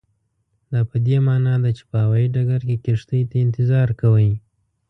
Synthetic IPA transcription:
d̪ɑpəd̪emɑnɑd̪at͡ʃe̥pəhawɑjiɖaɡaɾkekɪʂt̪əjt̪aɪnt̪ɪzɑɾkawəj

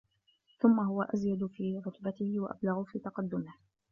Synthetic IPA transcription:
θʊmːaɦʊwaʔazjad̪fiːɾʊt̪bat̪ɪhɪwa̰ʔa̰blaɣʊfiːt̪ɑqɑd̪ːʊmɪh

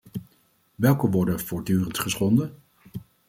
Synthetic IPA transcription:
ʋɛlˠkəʋɔɹdənv̥ʊːɹdyːrəntχəsχɔndə

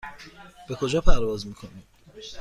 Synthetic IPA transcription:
b̥e̞kʰo̞d͡ʒɒːpʰæɾvɒːzmiːkʰo̞niː

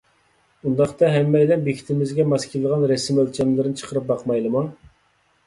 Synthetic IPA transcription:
und̪ɑχt̪ɑɦɛmːɛjlɛnbekʲʰi̥t̪ʰɪmɪzɡʲɛmɑskʲʰilːˠəʁɑnɾɛsɪmølt͡ʃʰɛmlɪɾɪnɪt͡ʃʰə̥qʰəɾɨp̚bɑqmɑjlˠɨmɑŋ

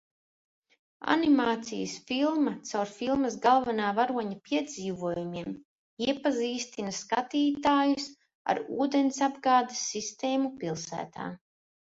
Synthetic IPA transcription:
a̰nimaːt̪sḭjəsfilˠmat̪sawɾfilˠmasɡalˠvanaːvaɾuɔɲapʲiɛd̪ziːvuɔjumiɛm | iɛpaziːst̪inaskat̪iːt̪aːjus | a̰ɾuːd̪ensabɡaːd̪asːist̪eːmupilˠsæ̰ːt̪a̰ː

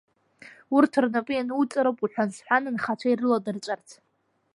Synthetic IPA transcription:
urtʰɨrnapʼɨjanut͡sʼaɾopʼuħʷᶣansħʷᶣanɨnχat͡ʃʷʰairɨladɨrt͡ʃʷʼartʰ

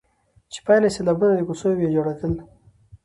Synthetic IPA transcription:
t͡ʃe̥pɑjnaselabunad̪əkusojobjed͡ʒoɽat̪əl

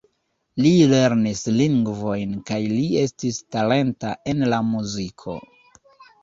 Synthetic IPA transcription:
lile̞ɾnisliŋɡvo̞jnkajlie̞stistale̞ntaʔe̞nlamuzikʰo̞̰

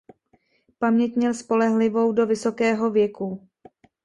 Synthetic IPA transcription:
pamɲɛc̪ɲɛlspo̞lɛɦlɪvo̞wdo̞vɪso̞kɛːɦo̞vjɛku

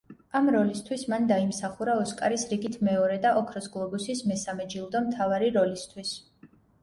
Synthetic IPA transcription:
amɾɔlist̪ʰwismand̪aimsaχuɾaɔskʼaɾisɾiɡit̪ʰmɛɔɾɛd̪aʔɔkʰɾɔsɡlˠɔbusismɛsamɛd͡ʒilˠd̪ɔmt̪ʰavaɾiɾɔlist̪ʰwis

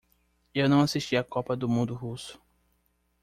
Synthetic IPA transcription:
ewnɐ̃w̃asiʃt͡ʃiɐkɔpɐd̪ʊmũnd̪ʊɦusʊ̥

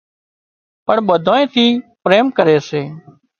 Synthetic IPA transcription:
pəɳɓəd̪ʱõːẽːt̪ʰiːpɾeːmkəɾeːseː

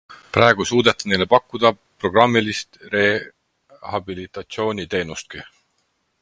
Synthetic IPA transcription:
pɾɑˑeɡ̥usuːd̪̥et̪ːˑɑ̥ne̞jlepɑkˑːud̪̥ɑ | pro̞ɡ̥rɑmːilist̪re̞ | hɑbilit̪ˑɑt̪sio̞ːnʲit̪e̞ːnust̪̚ki

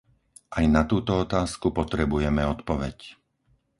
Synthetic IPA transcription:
ʔajnat̪uːt̪ɔɔt̪aːskupɔt̪ɾɛbujɛmɛɔt̪pɔʋɛc

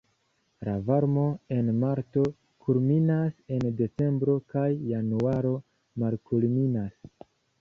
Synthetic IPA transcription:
ɾavaɾmo̞e̞nmaɾto̞ | kʰulminase̞nde̞t͡se̞mbɾo̞kajːanuaɾo̞ | malkulminas

